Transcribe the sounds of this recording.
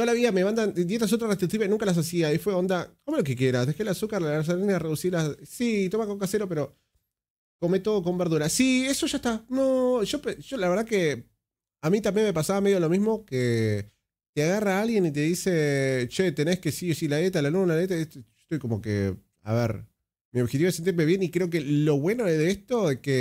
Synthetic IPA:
noalaβiameβand̪and̪je̞t̪as̬ot̪ɾarest̪ɾik̚t̪iβenũŋkalas̬as̬iaifweond̪akomolo̞kekje̞ɾasðekelasukaɾlas̬aɾeneareðusiɾlassiːt̪omakokaseɾo̞pe̞ɾo̞ | ko̞met̪o̞ðoko̞mbeɾðuɾasieso̞ʒaeht̪anoʃo̞peʒ̥olaβeɾð̞ake | amit̪ambje̞nme̞pasaβameðjolo̞mizmo̞ke | t̪eaɣaraalɣje̞nit̪̬eðiset͡ʃet̪ene̞skesiosilalet̪̬alalunelalet̪̬aet̪oʒo̥t̪ojkomo̞kḛ | a̰βeɾ | mio̞βxet̪iβosent̪iɾmeβje̞nikɾe̞ok̬elo̞βwe̞no̞ezðeest̪o̞eke

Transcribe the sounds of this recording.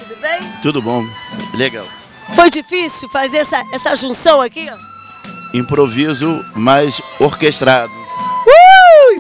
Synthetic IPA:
t̪ud̪ʊbẽj̃t̪ud̪ʊbõw̃leɡa̰w | fojd͡ʒifisiwfazeɾɛsɐɛsɐʒũsɐ̃w̃aki | ĩpɾovizʊmajzoɾkeʃt̪ɾad̪ʊu

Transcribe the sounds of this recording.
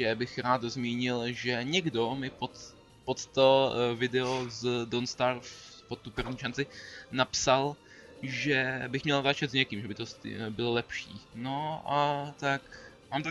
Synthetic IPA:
ɛbɪxɾaːt̪zmiːɲɪlʒɛɲɛɡdo̞mɪpot̪ | pot̪t̪ovɪdɛozdonst̪aɾfpot̪ːuprvɲiːʃant͡sɪnapsal | ʒɛbɪxmɲɛlzat͡ʃɛt̪zɲɛkimʒɛbɪt̪osbɪlolɛpʃiːno̞ʔat̪ak | maːmt̪a

